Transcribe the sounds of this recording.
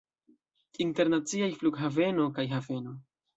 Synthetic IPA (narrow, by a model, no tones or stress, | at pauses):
inte̞ɾnat͡siajfluɡɦave̞no̞kajɦave̞no̞